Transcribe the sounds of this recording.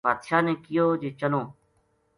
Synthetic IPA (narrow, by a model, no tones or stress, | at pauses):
aːd̪ʃaːnẽːkɪjoːd͡ʒeːt͡ʃəlõː